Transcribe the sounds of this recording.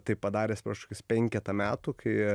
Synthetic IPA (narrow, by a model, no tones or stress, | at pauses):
t̪ɐɪpːɐd̪ɑːɾʲeːspɾɑːʃokʲɪspʲɛŋʲkʲɛt̪ɐmʲæːt̪uːkʰɐɪ